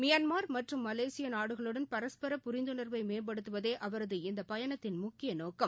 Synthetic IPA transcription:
mɪjɐnmaːɾmɐʈrɯmːɐleːsɪjɐnaːɽɯɣɐɭɯɽɐnpɐɾɐspɐɾɐpʊɾɪnd̪ɯnɐɾʋɐɪmeːnbɐɽɯt̪ːɯʋɐðeːʔɐʋɐɾɐðɯɪnd̪ɐpɐjɐɳɐt̪ːɪnmʊkːɪjɐnoːkːɐm

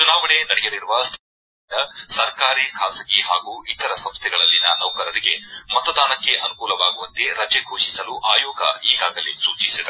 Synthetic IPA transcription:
t͡ʃunaːʋɐɳe̞nɐɽɛjɐɾiɾuʋɐst̪ʰː | ind̪ɐsɐɾkaːɾiːkʰaːsɐɡiɦaːɡuit̪ɐɾɐsɐ̃mst̪ʰɛɡɐɭɐlːinɐ̰nɐwkɐɾɐɾiɡemɐt̪ɐd̪aːnɐkːe̞ʔɐnukuːlɐʋaːɡuʋɐnt̪e̞ɾɐt͡ʃeɡʱoːʃisɐluʔaːjɔːɡɐ̰iːɡaːɡɐlisuːt͡ʃisid̪ɐɾ

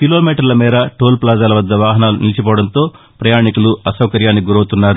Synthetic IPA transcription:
kilo̞ːmiːʈɐɾlɐmiːɾɐʈoːlplaːd͡ʒaːlɐʋɐd̪ːɐʋaːɦɐnaːlunilt͡ʃip̬ɔːɐɽɐnt̪o̞ː | pɾɐjaːɳikuluɐsɐwkɐɾjaːnːiɡuɾɐwt̪unːaːɾu

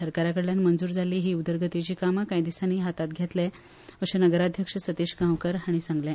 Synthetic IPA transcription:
səɾkaɾakəɽljanmənd͡zuːɾd͡zʱaliːɦiːud̪əɾɡʱət̪it͡ɕiːkamakajd̪isaniːɦat̪at̪ɡʱjet̪lɛ | əɕenəɡəɾad̪ʱjəkʂəsət̪iɕɡʱãʋkəɾaɽ̃isãŋɡljɛ

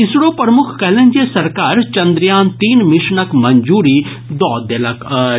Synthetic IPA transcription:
ɪsɽopɾəmʊkʰkɛːlẽnd͡ʒesɐɾkaːɾt͡ʃɐ̃nd̪ɾjaːnt̪iːnmɪʃnəkmɐ̃ɲd͡ʒuːɾiː | d̪ɔːd̪elɐk

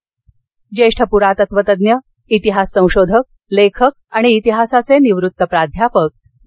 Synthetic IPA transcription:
d͡ʑeʂʈʰəpuɾat̪ət̪ʋət̪əd̪njə | it̪iɦasːə̃w̃ɕod̪ʱək̚ | lekʰək̚aɽ̃iːt̪iɦasat͡seniʋɾut̪ːəpɾad̪ʱjapək̚

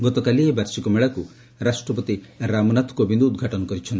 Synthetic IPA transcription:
ɡɔt̪ɔkɐlijebɐɾsikumɛɭɐku | ɾaːʂʈɾɐp̬ɐt̪iɾaːmunat̪ʰkoːbind̪uːd̪̚ɡʱaːʈɐnukɐɾit͡ʃʰɔnd̪

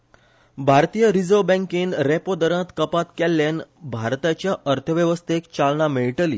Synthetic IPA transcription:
bʱaɾt̪ijəɾid͡zobɛ̃ŋkinɾepod̪əɾə̃t̪kəpat̪kɛlːanbʱaɾt̪at͡ɕjaʔəɾt̪ʰəʋjəʋəst̪ʰekt͡ɕalnameɭʈəlḭː

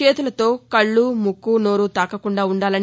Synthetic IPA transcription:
eːt̪ulɐt̪o̞ːkɐɭːumukːuːnoːɾut̪aːkɐkuɳɖaːuɳɖaːlɐn

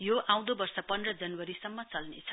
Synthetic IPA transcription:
joʔãw̃d̪obʌrsʌpʌnd̪rʌd͡zʌnwʌɾisʌmːʌt͡sʌlnḛt͡sʰʌ̥

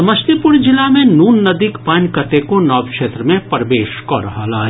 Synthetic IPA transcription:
məst̪ipʊɽd͡ʒɪlamẽnuːnːɐd̪ikpankɐt̪ekonɔːbkʃeːt̪ɾəmẽpɐɾʋeːʃkɔɾɐɦalaː

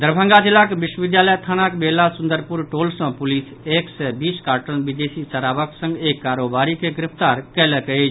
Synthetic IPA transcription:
d̪əɾbʱə̃ŋɡad͡ʒilakebiʃwəbid̪jaləjt̪ʰanakbelasund̪əɾpuɾʈolsə̃pulis | eksɛbiskaɾʈəlbid̪esit͡ʃəɾabəksə̃ŋɡekːaɾobaɾikeɡɾipʰt̪aɾkɛlɛkɛt͡ʃʰ

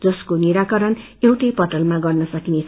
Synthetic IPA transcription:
d͡zʌskoniɾakʌɾʌn | ewʈʌjpʌʈʌlmãɡʌrnʌsʌkinet͡sʰ

